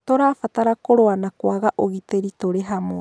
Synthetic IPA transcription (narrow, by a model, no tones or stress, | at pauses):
t̪oɾafat̪aɾakoɾoanakoaɣaʔoɣit̪eɾit̪oɾeɦamo